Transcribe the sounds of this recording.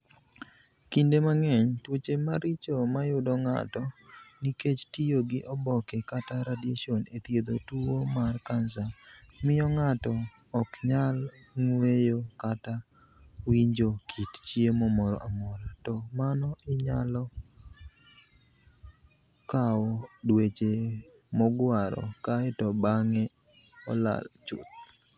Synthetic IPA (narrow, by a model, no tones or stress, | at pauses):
kindemaŋɛɲtwot͡ʃemaɾɪt͡ʃomajʊdɔŋa̰tɔniket͡ʃtijoɡɪʔɔbɔkɛkataɾadjeʃonet̪jed̪otuwomarkansamɪjɔŋatɔ | ɔkɲal | ŋwejokata | wiɲd͡ʒokʰitt͡ʃjemɔmɔɾɔ̰ʔamɔɾatɔmanɔʔɪɲalɔ | kawɔdwet͡ʃe | mɔɡwaɾɔ̰kaɛtɔbaŋe | ɔ̰la̰lt͡ʃʊ̰t̪̚